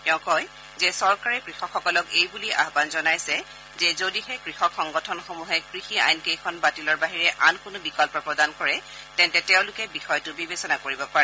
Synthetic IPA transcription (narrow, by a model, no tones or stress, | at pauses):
tɛʊ̃kɔj | zɛsɔɹkaɹɛkɹixɔkxɔkɔlɔkejbuliʔa̰ɦbanzɔnajsɛ | zɛzodihɛkɹixɔkxɔŋɡɔtʰɔnxomuɦɛkɹixia̰jnkejkʰɔnbatilɔɹbaɦiɹɛʔankʊnʊbikɔlpɔpɹɔdankɔɹɛ | tɛntɛtɛʊ̃lʊkɛbixɔjtʊbibesɔnakoɹibɔpaɹɛ